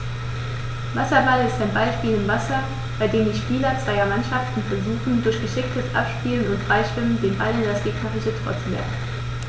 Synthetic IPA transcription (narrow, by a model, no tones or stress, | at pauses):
vasɐbalɪstaɪnbaɪʃpiːlɪmvasɐ | b̥aɪdeːmndiːʃpiːlɐt͡sv̥aɪɐmanʃaftn̩fɛɐzuːxn̩dʊɐçɡ̥əʃɪk̚tʰəsʔa̰pʃpiːlənʊntfʁ̥aɪʃv̥ɪməndeːnbalɪndasɡ̥eːknʰaʁɪçətʰo̰ːɐt͡sulɛ̰ɐfn̩